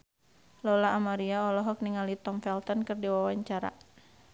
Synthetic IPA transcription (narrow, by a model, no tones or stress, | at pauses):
lɔlaːmaɾiaɔlɔɦɔk̚niŋalit̪ɔmfɛlt̪ɔnkɨrdiwawaɲt͡ʃaɾa̰